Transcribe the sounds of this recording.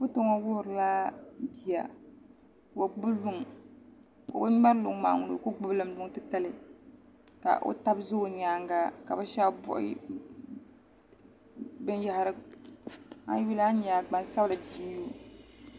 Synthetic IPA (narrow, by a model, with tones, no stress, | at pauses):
bʊ˦to˦ŋɔ˦wʊ˦hʊ˨ɾɨ˨la˦bi˨ja̰˨ | ba˨ɡ͡bʊ˦blu˦ŋ˨ | ko̰˨ba˦ŋ͡ma˦ɾlʊ˨ŋ˦ma̰˨ŋʊ˨lo̰˨˦kʊ˦ɡ͡bʊ˦blɨ˦m˦lʊ˦ŋ˦tɨ˦ta˦lɨ˨ | ka̰˨ʔo̰˦ta˦bzʊ˦˨ɲ˨aː˦ŋ˦ɡa˦ka̰˨ba˦ʃa˦bʊ̰˦ʔɪ̰˦ | bɨ˦nja˨ha˨ɾɨ˨ | a̰˦ju˦la˦ɲa˨ɡ͡ba˨n˦sa˦blɨ˨di˨˦m˦o˦